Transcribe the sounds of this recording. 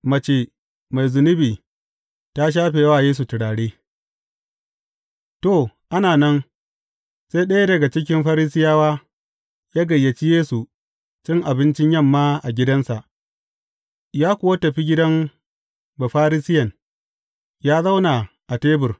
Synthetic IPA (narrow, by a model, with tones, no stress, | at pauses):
mɐ˨t͡ʃe˨ | ma˨jzʊ˨nʊ˦biː˨ | ta˦ʃ̬aː˦ɸeː˨waː˦˨jeː˦s̬u˨tɪ˨ɽaː˨ɽeː˦ | to˨ʔa˦naː˨nɐ˦n | se˦ɗɐ˦ja˦dɐ˨ɡa˨t͡ʃɪ˦k̬ʲɪ˦mɸa˦ɾi˦sɪ˦jaː˦waː˦ | jaː˦ɡɐ˨jːɐ˨t͡ʃi˦jeː˦su˨ | t͡ʃɪ˦ŋʔa˨bɪ˦nt͡ʃɪ˦ɲjɐ˦˨mːaː˦ʔa˨ɡʲɪ˦dɐ˦nsa˨ʔ | jaː˦kʷʊ˦wa˦tɐ˨ɸi˦ɡʲɪ˦dɐ˦m | ba˨ɸaː˦ɾi˦sɪ˦jɐ˨n | jaː˦za˦wna˨ | ʔa˨teː˦bʊ˨r